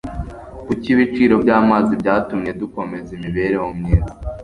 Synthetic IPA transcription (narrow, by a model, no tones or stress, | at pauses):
kuciβit͡ʃiːɾo̞bɟaːmaːzibɟaːtumɲe̞duko̞me̞zimiβe̞ɾehomɲeːɾa